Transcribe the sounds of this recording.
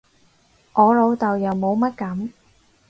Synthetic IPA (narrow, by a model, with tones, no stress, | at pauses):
ʔɔː˨˧lo˨˧wt̪ɐ˨wjɐ˨wmo˨˧wmɐ˥t̚kɐ˨˥m